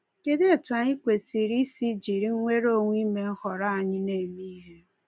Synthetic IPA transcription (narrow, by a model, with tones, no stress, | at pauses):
ke˦de˦e˦˨tu˨a˨ɲi˦kʷe˨si˨ɾi˦si˦d͡ʒi˨ɾi˦ŋ̩˦ŋʷe˦ɾo˦˨ŋʷ˦i˦me˨ŋ̩˦hɔ˨ɾa˦a˨ɲɪ˦ne˨mi˦ɦe˦